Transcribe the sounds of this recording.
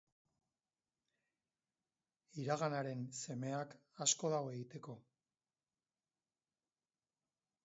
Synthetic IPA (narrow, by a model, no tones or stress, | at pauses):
iɾaɣanaɾe̞nse̞me̞akasko̞ðawe̞ɣit̪e̞ko̞